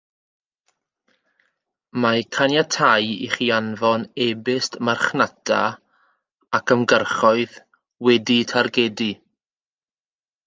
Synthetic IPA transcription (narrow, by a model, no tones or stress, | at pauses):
makʰanjatʰajḭχianvɔnɛbɪstmarχnatʰa | akʰəmɡərχɔɨð | wɛditʰarɡɛdi